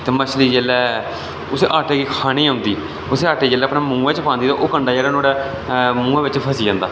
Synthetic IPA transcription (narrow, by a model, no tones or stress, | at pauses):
t̪eːmət͡ʃliːd͡ʒeːlɛː | ʊseːʔaːʈeːɡiːkʰaːñiːʊ̃nd̪iː | ʊseːaːʈeːd͡ʒeːlːɛːəpnaːmũːẽːt͡ʃpãːnd̪iːt̪a̰ːʔoːkəɳɖaːd͡ʒeːlɛːnoːɽɛː | mũːãːʋɪt͡ʃpʰəsiːd͡ʒãːnd̪aː